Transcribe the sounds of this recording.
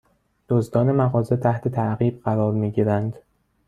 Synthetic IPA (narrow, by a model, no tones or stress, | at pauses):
d̪̥ozd̪ɒːne̞mæɣɒːze̞t̪ʰæht̪ʰe̞t̪ʰæʔɣiːb̥̚ɢæɾɒːɾmiːɟiːɾænd̪